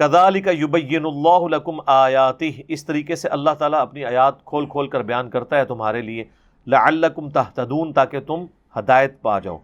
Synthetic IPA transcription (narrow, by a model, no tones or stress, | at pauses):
kɐðaːlɪkɐjʊbɐjːɪnʊlːaːɦʊlɐkʊmaːjaːt̪ɪɦɪst̪ɐɾiːkeseʔɐlːaɦt̪aːlaɐpniaːjaːt̪̚kʰoːlkʰoːlkɐɾbɐjaːnkɐɾt̪aɦɛt̪ʊmɦaːɾelie | lɐʕɐlːɐkʊmt̪ɐɦt̪ɐd̪uːnt̪aːket̪ʊm | hɐd̪aːjət̪̚pa̰ːd͡ʒa̰ːo̰ː